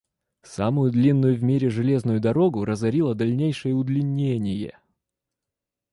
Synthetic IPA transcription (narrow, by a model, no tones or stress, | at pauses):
samʊjʊd̪lʲinːʊjʊvmʲiɾʲɪʐɨlʲe̞znʊjʊd̪ɐɾo̞ɡʊɾəzɐɾʲilˠəd̪ɐlʲnʲejʂɨjəʊd̪lʲɪnʲːenʲɪjə̰